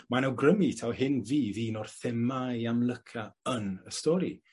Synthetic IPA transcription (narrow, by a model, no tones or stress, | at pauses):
manawɡrəmitʰawhɪnviːðiːnɔrθɛmajamlˠəkʰaənəstɔɾi